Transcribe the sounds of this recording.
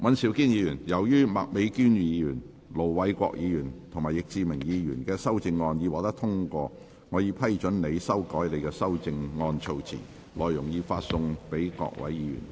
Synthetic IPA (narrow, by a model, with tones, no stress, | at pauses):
wʔɐ˨˥nsiː˨˥wkiː˥njiː˨˧jyː˨˩njɐ˨˩wjyː˥mɐ̰˨k̚me˨˧jkyː˥njiː˨˧jyː˨˩n | lo˨˩wwɐ˨˥jkʷɔ̰ː˧k̚jiː˨˧jyː˨˩nt̪ʰʊ˨˩ŋmaː˨˩jɪ˨k̚t͡siː˧mɪ˨˩ŋjiː˨˧jyː˨˩nkɛː˧sɐ˥wt͡sɪ˧ŋːɔː˧nji˨˧waː˨k̚t̪ɐ˥t̪ʰʊ˥ŋkʷɔː˧ | ŋɔː˨˧ji˧pʰɐ˥jt͡ʃɵ˨˥nle˨˧jsɐ˥wkɔː˨˥jle˨˧jkɛː˧sɐ˥wt͡sɪ˧ŋŋɔː˧nt͡ʃʰo˧wt͡sʰḭː˨˩ | lɔː˨jjʊ˨˩ŋjiː˧faː˧t̚sʊ˧ŋpe˨˥jkɔ̰ː˧k̚wɐ̰˨˥jjiː˨˧jy̰˨˩n